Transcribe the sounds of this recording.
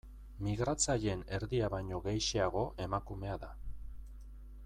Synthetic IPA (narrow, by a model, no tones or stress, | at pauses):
miɣɾat͡saʎe̞ne̞ɾðiaβajɲo̞ɣejʃeaɣ̞o̞ʔe̞makume̞aða